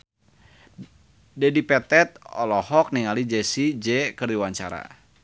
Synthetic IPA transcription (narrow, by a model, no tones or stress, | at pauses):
dɛdipɛt̪ɛt̪̚ɔlɔhɔk̚niŋalid͡ʒɛsid͡ʒɛkərdiwaɲt͡ʃa̰ɾa̰